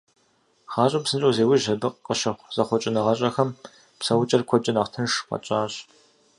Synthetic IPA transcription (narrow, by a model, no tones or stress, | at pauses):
χɑːɕʼɐpsɨnt͡ʃʼoːzeːwɪʒɐbɨqːəʃɐχʷz̥ɐχʷɔt͡ʃʼɪnɨʁɐɕʼɐxɐm | psɐwt͡ʃʼɐrkʷʰɔt͡ʃʼɪnaːχtʰɨnʂqɐ̰t͡ʃʼaːɕ